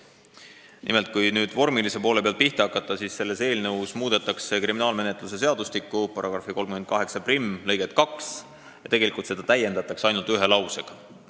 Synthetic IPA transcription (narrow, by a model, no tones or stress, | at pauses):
nʔime̞lt̪̚kujnyːd̪̥vo̞rmilise̞po̞ːle̞peɑlt̪̚piht̪eɑkːˑɑt̪ːˑɑsiːsse̞lːe̞se̞ːlnɤwsmuːd̪̥e̞t̪ːˑɑkse̞kɾiminɑːlme̞net̪ˑluse̞se̞ɑd̪ust̪ikːˑupɑɾɑɡ̥rɑfiko̞lmkymenkɑɦe̞ksɑprimːlɤjɡ̥et̪kɑks | jɑt̪e̞ɡe̞likult̪se̞d̪ɑt̪æje̞nd̪ɑt̪ːˑɑksɑjnult̪yɦe̞lɑwse̞ɡ̥ɑ